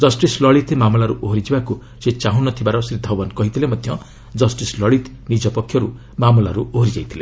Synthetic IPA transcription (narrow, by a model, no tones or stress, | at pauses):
d͡ʒʌsʈislɔɭit̪ʰmamulaɾuʔoɦɾid͡ʒibaku | set͡ʃaɦunɔt̪ʰibaɾɔsɾid̪ʱɔwankɔɦit̪ʰilemɔd̪ʱjʌ | d͡ʒʌsʈislɔɭit̪ | nid͡ʒɔpɔkʰjɔɾu | mamulaɾuoɦɾid͡ʒajt̪ʰile